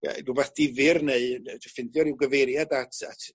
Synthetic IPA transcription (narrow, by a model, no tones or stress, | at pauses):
ja̰dubaθd̥ɪvɪrneɨdʰəfɪnðjɔɾɪwɡəveɾjadatʰa̰tʰ